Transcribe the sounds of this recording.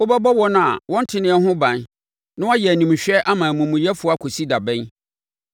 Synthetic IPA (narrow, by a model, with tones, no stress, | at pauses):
o˦bɛ˦bɔ˦wɔ˦nʊ̃˦a̰˨wɔ̃˦n̩˦tʰɪ˦nɪ̃˦ɛ˦ɦʊ̃˦bã˨n | nʊ̃˦ɔ˦jɛ˨æ˨nĩ˨m˨ɕᶣɛ˦ʔa˦mãː˨mũ˨mʊ̃˨jɛ˦fʊ˨˦a˦kʰo˨si˦da˨bɛ̃˦